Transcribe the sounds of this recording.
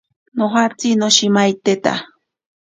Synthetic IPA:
noxat͡sinoʃimajt̪et̪a̰

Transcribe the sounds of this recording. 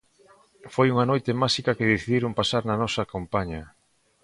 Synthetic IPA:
fojuŋɐnojt̪emasikɐkeðeθiðiɾompasaɾnɐnɔsakampaɲɐ

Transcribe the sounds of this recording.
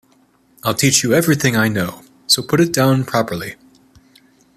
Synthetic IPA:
aɪlˠtʰit͡ʃjɨɛvɹiθɪ̃ŋaɪnoʊ | soʊpʰʊɾɨt̚d̥ãʊ̃npʰɹ̥ɑpə˞lˠi

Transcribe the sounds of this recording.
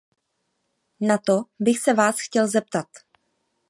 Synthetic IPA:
nat̪o̞bɪxsɛvaːsxcɛlzɛp̚t̪at̪

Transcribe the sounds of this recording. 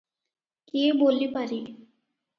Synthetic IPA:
keeboːlːipəɾi

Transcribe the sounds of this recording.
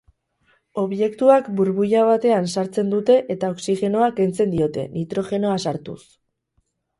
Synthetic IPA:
o̞βje̞kt̪uakbuɾβujaβat̪e̞ansaɾt͡se̞nd̪ut̪e̞ʔet̪ao̞ksixe̞no̞ake̞nt͡se̞nd̪io̞t̪e̞nit̪ɾo̞ʝe̞no̞asaɾt̪ṵs

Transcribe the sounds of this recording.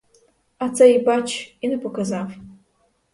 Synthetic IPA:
at͡sʰaibat͡ʃʰinɨpʰokazaf

